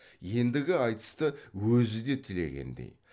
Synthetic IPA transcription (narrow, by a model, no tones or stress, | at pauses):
je̞nd̪ɪɡʲɪɑjt̪ə̥st̪əwɵzɪd̪e̞t̪ʰɪle̞̰ɡʲe̞̰nd̪ḛj